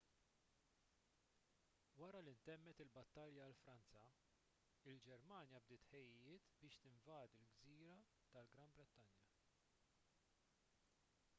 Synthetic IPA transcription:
wɐɾɐlint̪ɛmːɛt̪ɪlbɐt̪ːɐljɐlfɾɐnt͡sɐ | ɪld͡ʒɛɾmɐːnjɐb̚d̪ɪːt̪ħɛjːɪɪːt̪bɪːʃt̪ɪɱvɐːd̪ilɡziːɾɐ | t̪ɐlɡɾɐmbɾɛt̪ːɐnjɐ

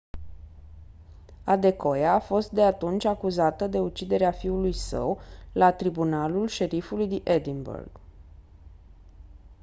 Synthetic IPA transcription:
ad̪e̞ko̞jaːfo̞st̪̚d̪e̞at̪unt͡ʃʲakuzat̪əd̪e̞ut͡ʃid̪e̞ɾeafiulujsə̰wlat̪ɾibunalulʃe̞ɾifulujd̪iʔed̪imbḛrɡ̥

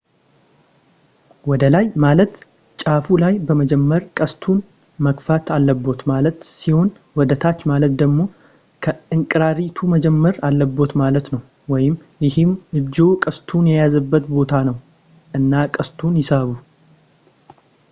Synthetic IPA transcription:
wɔd̪əlajmalət̪ | t͡ʃʼafulajbəməd͡ʒɛmːəɾkʼəst̪ʰun | məkfat̪ʰalːəbːo̞t̪malət̪siho̞n | wɔd̪ət̪ʰat͡ʃːmalət̪d̪əɡmo̞ | kʰəɨŋkʼɾaɾit̪ʰuməd͡ʒɛmːəɾalːəbːo̞t̪malət̪nəw | wɔjɪmjɪhɪmɨd͡ʒːokʼəst̪ʰunjɛjazəbːət̪bo̞t̪ʰanəw | ʔɨnːakʼəst̪ʰunjɪsəβu

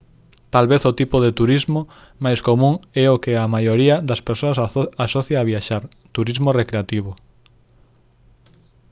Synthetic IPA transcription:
t̪alβeθot̪ipoðet̪uɾizmo | majskomũŋɛokɪamajoɾiɐðɐspeɾsoɐsasɔθjaaβ̞iaʃaɾ | t̪uɾizmorekɾeat̪iβ̞o

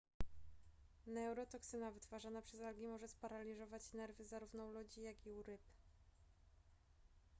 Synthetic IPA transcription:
nɛwɾɔt̪ɔksɘnavɘt̪faʐanapʂɛzalɡʲimɔʐɛspaɾalʲiʐɔvat͡ɕnɛɾvɘzaɾuvnɔlɔd͡ʑijaɡʲiuɾɘp

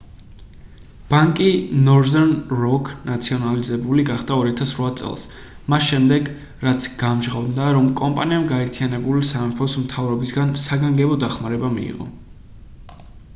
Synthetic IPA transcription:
b̥aŋkʼinɔɾzɛɾnɾɔkʰnat̪sʰiɔnalizɛbuliɡaχd̪aɔɾiat̪ʰasɾwat̪sʼɛ̰lˠs | masʃɛmd̪ɛɡ | ɾat̪sʰɡ̥amʒʁavd̪naɾɔmkʼɔmpʼaniamɡaɛɾt̪ʰijanɛbulisamɛpʰɔsmt̪ʰavɾɔbisɡansaɡaŋɡɛbɔd̪aχmaɾɛbamḭḭʁɔ̰

